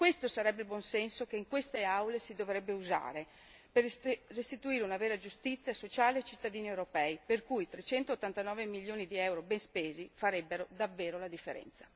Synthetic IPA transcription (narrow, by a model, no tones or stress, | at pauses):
kwest̪osaɾɛbːeilbwɔnsɛnsokeiŋkwest̪eawlesid̪ovɾɛbːeuza̰ːɾe | perrːest̪it̪uiːɾeunaveːɾad͡ʒust̪it̪sːjasot͡ʃaːleet͡ʃit̪ːad̪iːniewɾopɛːiperkujt̪ɾet͡ʃɛnt̪ot̪ːant̪anɔːvemilːjoːnid̪iɛwɾobɛnspeːzifaɾɛbːeɾod̪avːeːɾolad̪ifːeɾɛ̰nt̪sḁ